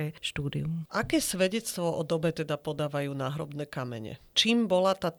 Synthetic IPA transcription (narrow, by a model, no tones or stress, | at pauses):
ɛʃt̪uːd̪ḭumʔakɛːsʋɛɟɛt͡st̪ʋɔʔɔd̪ɔbɛt̪ɛd̪apɔd̪aːʋajuːnaːɦɾɔ̰bnɛːkamɛ̰ɲɛ̰t͡ʃiːmbɔlat̪aː